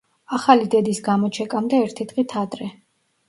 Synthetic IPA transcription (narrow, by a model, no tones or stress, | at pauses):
aχalid̪ɛd̪isɡamɔt͡ʃʰɛkʼamd̪aɛɾt̪ʰit̪ʼqʼit̪ʰat̪ʼɾɛ